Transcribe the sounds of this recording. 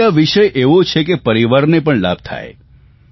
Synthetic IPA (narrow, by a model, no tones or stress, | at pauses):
aʋiʃəjʔeʋot͡ʃʰekepəɾiʋaɾnepəɳla̰b̚t̪ʰa̰ḛ